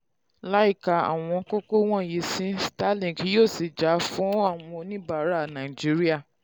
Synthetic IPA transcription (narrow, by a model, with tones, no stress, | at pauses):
la˨˦i˦˨ka˨a̰˨w̃ɔ̃˧ko˦ko˦w̃ɔ̃˦˨ji˨˦sĩ˦sta˦lĩ˨ki˨˦joː˦˨si˨d͡ʒa˨˦fũ˦a˦˨w̃ɔ̃˧nĩ˦ba˦˨˦ɾa˦˨nã˨i˨d͡ʒi˦ɾi˦a˦˨